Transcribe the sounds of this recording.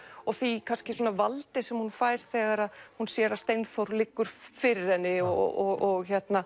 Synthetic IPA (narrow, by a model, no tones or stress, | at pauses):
ɔɣθikʰanscɪsuɔːnavalt̪ɪsɛmhunfaːjɾ̥θɛːɣaɾaðhunsjɛɾaðst̪ejnmθowɾlɪkːʏɾ̥fɪɾɪɾɛnːɪɔɔɣɔɣçɛt̪na